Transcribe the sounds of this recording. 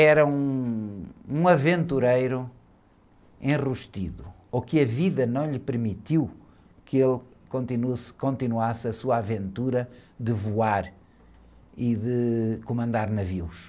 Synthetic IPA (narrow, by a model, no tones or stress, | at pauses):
ɛɾɐũ | ũɐvẽnt̪uɾejɾu | ẽʁuʃt̪iðu | okɨɐviðɐnɐ̃w̃ʎɨpɨɾmit̪iw | kɨelˠkõnt̪inuskõnt̪inuasɐsuaavẽnt̪uɾɐðɨvuaɾ | iðɨkumɐ̃nd̪aɾnɐviwʃ